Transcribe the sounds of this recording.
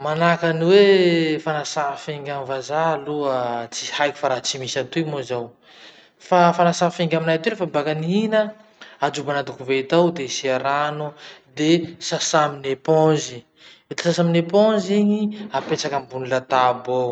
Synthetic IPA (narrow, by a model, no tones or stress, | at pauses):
manakaniwefanasafeŋɡʲamvazaluət͡si̥hajki̥faɾat͡simisant̪umozaw | fafanasafeŋɡʲaminajt̪elefabakaniinə | ad͡ʒubanad̪ukuvet̪awd̪esiaɾanud̪esasaminepɔ̃zi | et̪i̥sasaminepɔ̃ziɲiapet͡sakambunulat̪abo